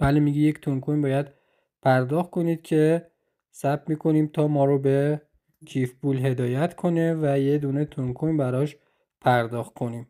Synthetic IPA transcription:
b̥ælimiɟiject̪ʰuŋkʰonbɒːjæd̪ | pʰæɾd̪ɒːxt̪̚kʰo̞niːd̪̥̚cʰe̞ | sæp̚miːkʰo̞niːmt̪ʰɒːmɒːɾobe | cʰiːfbuːlɦe̞d̪ɒːjæt̪ʰkʰo̞nevæjed̪uːne̞t̪ʰuŋkʰonbæɾɒʃ | pʰæɾd̪ɒːxt̪̚kʰo̞niːm

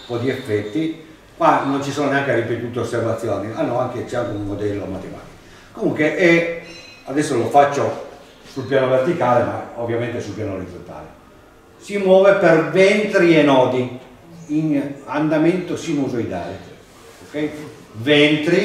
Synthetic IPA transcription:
pɔd̪iefːɛt̪ːi | kwanont͡ʃisoːnoneaŋk̟eripet̪uːt̪eosːervat̪sːjoːnianːɔaŋk̟et͡ʃɛaŋkeunmod̪ɛlːomat̪ema̰ːt̪i̥ko | kːomuŋkweʔɛ | ad̪ɛsːolofat͡ʃːo | sulpjaːnovert̪ikaːlema̰ovːjament̪esulpjaːnoɾid̪zont̪a̰ːle | simwɔːvepervɛnt̪ɾienɔːd̪i | inand̪ament̪osinuzoid̪a̰ːle | okɛj | vɛnt̪ɾi

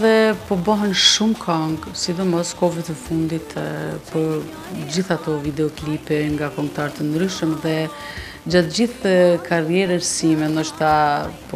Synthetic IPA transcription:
ðɛpɔbaɦɛnʃumkʰaŋɡsib̪əmɔskɔvɛt̪ɛfund̪it̪pɔ | d͡ʑiθat̪ɔvid̪ɛɔklipɛŋɡakɔmt̪aɾt̪ɛnd̪ɾyʃəmðɛ | d͡ʑat̪d͡ʑiθkʰaɾjɛɾɛɾsimɛnd̪ɔʃt̪apɔ

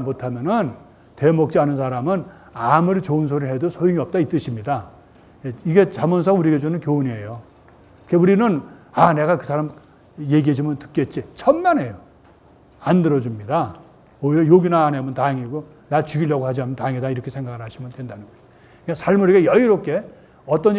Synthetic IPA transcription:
motʰamjʌnɯn | te̞mʌk̚t͡ɕ͈ianɯns̬ʰaɾamɯn | amuɾit͡ɕounsʰoɾihe̞dosʰojiŋiʌp̚t͈ait͈ɯɕʰimɲida | eiɡe̞t͡ɕamʌns̬ʰʌuɾiɡed͡ʑunɯnkjouniejo | keuɾinɯnane̞ɡakɯsʰaɾam | jeɡiɦed͡ʑimʌntɯ̥k͈et̚t͡ɕ͈it͡ɕʰʌmnane̞jo | andɯɾʌd͡ʑumɲida | ʌiʌjoɡinaːnemɯntaŋiɡo | nat͡ɕuɡiʎjʌɡohad͡ʑianmɯntaŋidaiɾʌkʰe̞sʰe̞ŋɡaɡɯɭhaɕʰimɯntwendanɯŋɡo | kasʰaɭmuɾiɡejʌiɾok͈e̞ | ʌt͈ʌn

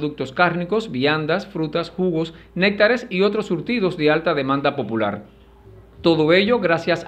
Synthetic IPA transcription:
ðuk̚t̪o̞skaɾniko̞sβiand̪asfɾut̪ashuɣo̞snek̚t̪aɾe̞sio̞t̪ɾo̞sːuɾt̪iðo̞zðe̞alt̪aðe̞mãnd̪apo̞pula̰ɾ | t̪o̞ðo̞e̞ʝo̞ɣɾasjas

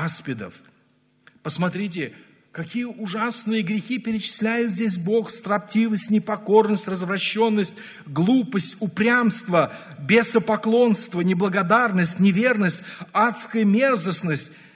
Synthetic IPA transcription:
spʲɪd̪ə̰f | pəsmɐt̪ɾʲit̬ʲɪ | kɐkʲijəʔʊʐasnɨjəɡɾʲɪxʲipʲɪɾʲɪt͡ɕɪ̥sʲlʲæjɪt̪zʲdʲes̬ʲbo̞xst̪ɾɐp̚tʲivəsʲtʲnʲɪpɐko̞rnəsʲtʲrəzvɾɐɕːo̞nːəsʲtʲ | ɡlˠupəsʲtʲʊpɾʲamst̪və | bʲesəpɐklˠo̞nst̪vənʲɪblˠəɡɐd̪arnəsʲtʲnʲɪvʲe̞rnəsʲt̚ʲat̪skəjəmʲe̞rzəsnəsʲtʲ

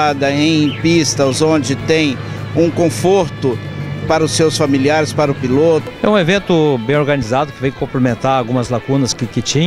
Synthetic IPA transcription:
ad̪ɐẽj̃pist̪ɐzõd͡ʒɪt̪ẽj̃ | ũkõfoɾt̪ʊpaɾɐʊsewsfamiliaɾɪspaɾʊpilot̪ʊɛũevẽnt̪ʊbẽj̃oɾɡɐnizad̪ʊkɪvẽj̃kõplemẽnt̪aɾawɡũmɐzlakũnɐskɪkɪt͡ʃĩɲ

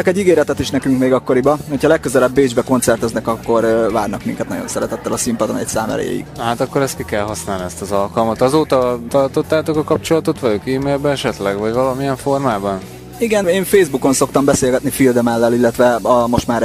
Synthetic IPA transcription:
ɛkɛɟːiɡeːɾɛt̪ɛt̪iʃnɛkyŋkmeːɡɒkːo̞ɾibɒho̞cʰɒlɛkːø̞zɛlɛbːeːd͡ʒbɛko̞nt̪sɛrt̪ɛznɛkɒkːo̞ɾvaːrnɒkmḭŋkɛt̪nɒ̰ɟo̞nsɛɾɛt̪ɛt̪ːɛlɒsimpɒd̪onɛ̰csa̰ːmɛ̰lɛ̰j̰ḭɡ̪ɦaːt̪ɒkːoɾɛst̪kikɛlɦɒsnaːlniɛst̪ɒzɒlkɒlmɒt̪ɒzoːt̪ɒt̪ɒrt̪o̞t̪ːaːt̪okɒkɒp̚t͡ʃolɒt̪o̞t̪ʋɒlokiːmeːlbɛɛʃɛt̪lɛɡvɒɟvɒlɒmiɛɱfo̞rmaːbɒn | iɡɛneːɱfeːzbuko̞nso̞kt̪ɒmbɛseːlɡɛt̪nifild̪ɛmɛlːɛlilːɛt̪ʋɛɒmo̞ʃt̪maːɾ

